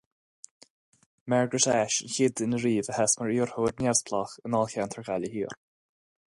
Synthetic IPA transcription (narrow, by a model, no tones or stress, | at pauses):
maɹɡɹɪtɛʃənçɪdɪnəɹiːvəhɛsməɹiːɹhoːdnjɛspʰlˠɔxənɔlˠxantʰəɹɡaləhiːɹ